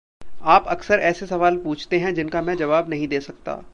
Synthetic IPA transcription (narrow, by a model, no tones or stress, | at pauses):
aːpɐksəɾɛːsesɐʋaːlpuːt͡ʃʰt̪eɦɛ̃d͡ʒɪnkamɛ̃d͡ʒɐʋaːbnɐɦĩd̪eːsɐk̚t̪a̰ː